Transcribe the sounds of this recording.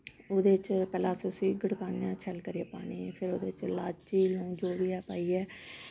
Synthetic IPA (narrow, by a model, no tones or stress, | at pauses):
oːd̪eːt͡ʃpɛːlaːsʊsiːɡəɽkaːnjãːt͡ʃʰɛlkəɾijaːpaːɳiːpʰɪɾoːd̪eːt͡ʃlaːt͡ʃiːlõːd͡ʒoːʋiːɛːpaːiːɛː